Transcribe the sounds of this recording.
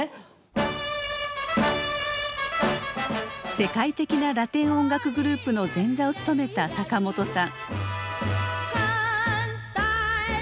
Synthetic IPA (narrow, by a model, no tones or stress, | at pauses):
se̞kait̪e̞kʲinaɾat̪ẽ̞ɰ̃õ̞ŋɡakɯ̟ɡɯ̟ɾɯ̟ːpɯ̟no̞d͡zẽ̞nd͡zao̞t͡sɨ̥t̪o̞me̞t̪asakamo̞t̪o̞sãŋ̃